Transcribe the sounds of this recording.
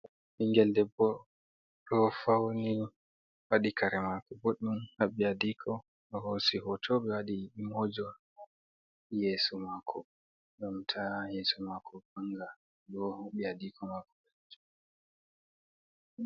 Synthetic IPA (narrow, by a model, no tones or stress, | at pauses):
ʔiŋɡɛldɛbɔ | ɾɔfawni | waɗikʰaɾɛmakɔbɔɗumhaɓijadikʰɔ | ɔhosiɦɔtʰɔɓɛwaɗiimɔd͡ʒɔ | jesumakʰɔ | ɗɔmtʰajesumakʰɔbaŋɡa | ɡɔaɓijadikʰɔmakɔbɛd͡ʒ